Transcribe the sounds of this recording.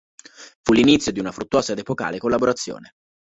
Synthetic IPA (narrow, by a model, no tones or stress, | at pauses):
fulːinit̪sːjod̪iunafɾut̪ːwɔːsad̪epoka̰ːlekolːaboɾat̪sːjo̰ːne